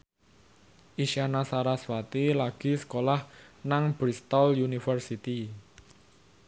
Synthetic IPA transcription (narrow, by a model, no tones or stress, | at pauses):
ʔiʃianasaɾaswat̪ilaɡ̥i̤sə̥kolahnaŋb̥ɾist̪ɔljunifərsit̪i